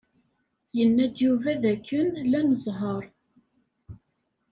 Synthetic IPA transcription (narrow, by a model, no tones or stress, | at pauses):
jənːæd̪juvæðækːənlænəzˤɦəɾˤ